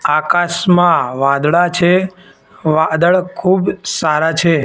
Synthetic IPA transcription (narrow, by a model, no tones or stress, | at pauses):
akaʃmãʋãd̪ɭat͡ʃʰe | ʋad̪əɭkʰubsaɾat͡ʃʰe